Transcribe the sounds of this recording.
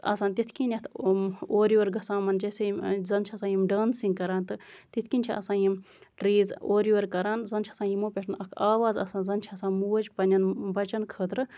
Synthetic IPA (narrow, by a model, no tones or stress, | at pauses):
ɐ̰saːnt̪it̪ʰkinʲjɐt̪ʰoːɾjʋɐɾɡɐsãːmɐnd͡ʒeːsezɐnt͡ʃʰɐsaːjimɖaːnsĩŋɡkɐɾaːnt̪ɨt̪it̪ʰkinʲt͡ʃʰḭʔɐ̰sãːjim | ɾiːzoːɾjuʋɐɾkɐɾaːnzɐnt͡ʃʰɐsãːnjimoːpʲeʈʰnɐkʰaːʋaːzɐ̰saːnzɐnt͡ʃʰiɐsãːnmuːɐd͡ʒpɐnʲɐnbɐt͡ʃɐnkʰəːt̪ɾɨ